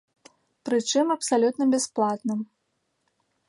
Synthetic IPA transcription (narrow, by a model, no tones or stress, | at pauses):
pɾɨt͡ʂɨmɐpsalʲut̪nɐbʲɛsplˠat̪nɨm